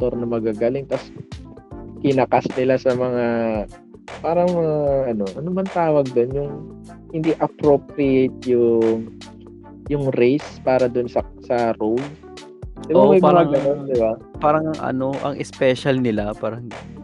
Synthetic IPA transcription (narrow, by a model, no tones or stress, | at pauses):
t̪oɾnɐmɐɡaːɡaːlɪŋt̪ɐs | kɪnɐkasnɪlasɐmɐŋa | paːɾɐŋmɐŋaʔɐno̞ʔɐnobɐnt̪aːwɐɡ̚d̪o̞njʊŋ | hɪnd̪iʔɐpɾopɾɪjet̪̚jʊŋ | jʊŋɾejspaːɾɐd̪onsɐsɐɾowl | d̪ɪbamɐjɐŋaɡɐno̞nd̪ɪba | paːɾɐŋɐŋʔɐ̰noʔɐ̰ŋʔɛspɛʃɐlnɪlapaːɾɐŋ